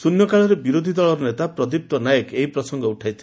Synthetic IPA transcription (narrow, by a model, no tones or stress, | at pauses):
sunjɔkaɭɔɾebiɾod̪ʱid̪ɔɭɔɾɔnet̪apɾɔd̪ip̚t̪ɔnajekeɦipɾɔsɔŋɡɔuʈʰajt̪ʰi